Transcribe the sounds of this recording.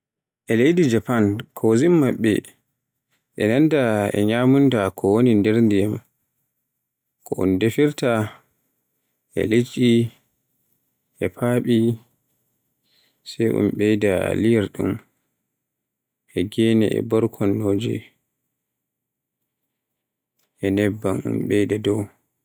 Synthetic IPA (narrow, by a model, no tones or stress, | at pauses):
ʔɛlejdid͡ʒapankʰozimːaɓːɛ̰ | ʔɛnandaɛ̰ɲaːmuntakʰɔwonindɛɾndijam | kʰɔʔṵndefiɾta | ʔɛ̰lit͡ʃi | ʔɛpʰaːɓi | sɛjʔṵmɓɛjdalijɛɾɗṵm | ʔɛɡɛnɛ̰ʔɛ̰bɔɾkʰɔnːoːd͡ʒḭ | ʔɛnɛbːamṵnɓɛjdadɔw